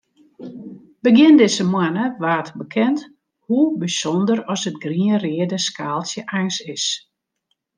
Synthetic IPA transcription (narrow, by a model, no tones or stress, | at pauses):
bəɡjɪndɪsəmwanəʋaːtbəkʰɛnt | hubisɔndəɾɔsət̚ɡriərɪədəskʰaːlˠsjəʔajŋsɪs